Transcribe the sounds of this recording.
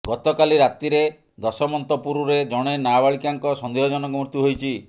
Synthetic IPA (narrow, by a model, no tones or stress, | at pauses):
ɡɔt̪ɔkaliɾat̪iɾe | d̪ɔsɔmɔnt̪ɔpuɾuɾed͡ʒɔɽ̃enabaɭikaŋkɔsɔnd̪eɦɔd͡ʒɔnɔŋkɔmɾut̪juɦojt͡ʃʰi